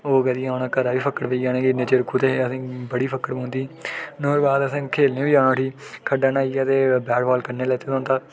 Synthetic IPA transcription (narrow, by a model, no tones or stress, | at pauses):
oːɡəd̪iːaːnãːkəɾaːʋiːpʰəkəɽʋeiːaːnẽːɡineːt͡ʃəɾkuːt̪eːəsĩːbəɽiːpʰəkəɽmõːnd̪iːnoːɾbaːd̪əsãːkʰeːlnẽːʋiːãːnãːʈʰiːkʰəɖaːnaːiːaːt̪eːbɛːɖbaːlkəɾneːlɛːt̪eːt̪õːnt̪aː